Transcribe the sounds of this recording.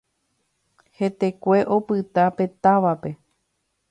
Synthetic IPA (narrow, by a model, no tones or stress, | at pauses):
he̞t̪e̞kʷe̞ʔo̞pɨt̪ape̞t̪aʋape̞